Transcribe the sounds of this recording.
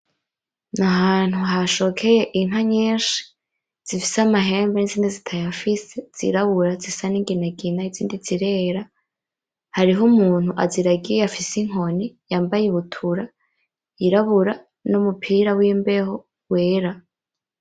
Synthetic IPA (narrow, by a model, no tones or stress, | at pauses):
naɦaːn̥huɦaʃo̞kʰe̞je̞ʔiŋɦaɲeːnʃi̥ | z̥ifisamaɦe̞ːmbeniziːndizitʰajafisez̥ḭɾaβuɾazisaniŋɡinaɡinaiziːndiziɾe̞ːɾa | haɾiɦomuːn̥huʔaziɾaɡijeafisiŋ̥ɦo̞nijaːmbajiβutʰuɾa | iɾaβuɾa | numupʰiːɾawimbe̞ho | we̞ːɾa